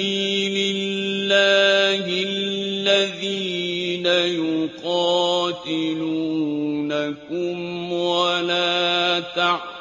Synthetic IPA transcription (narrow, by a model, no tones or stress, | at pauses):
iːlɪlːaːɦɪlːaðiːnajʊqɑːt̪ɪluːnakʊmwalaːt̪a